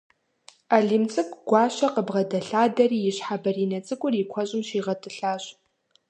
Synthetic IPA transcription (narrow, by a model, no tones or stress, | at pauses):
aɮiːmt͡sʼɨkʷʼɡʷɑːɕɐqəbʁɐdɐɬaːdɐriːjɪɕħabɐriːnɐt͡sʼɨkʷʼʊrikʷʰɔɕʼɪmʃiːʁɐtʰʼɨɬaːɕ